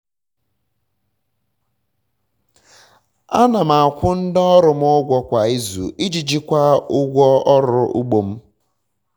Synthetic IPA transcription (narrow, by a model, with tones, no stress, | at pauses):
a̰˦na˨m̩a˨a˨kʷʊ˦n̩˦dɔ˦ɾʊ˨m̩˦ʊ˦ɡʷɔ˦kʷa˨i˦zṵ˨i˦d͡ʒi˨d͡ʒi˦kʷa˦ʊ˦ɡʷɔ˦ɔ˦ɾʊ˦ʔu˦ɡ͡bo˨m̩˦